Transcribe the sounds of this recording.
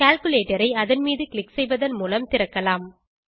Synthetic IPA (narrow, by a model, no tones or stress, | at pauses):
kaːlkɯleːʈɐɾɐɪɐðɐnmiːðɯkɭɪksɛjʋɐðɐnmuːlɐmt̪ɪɾɐkːɐlaːm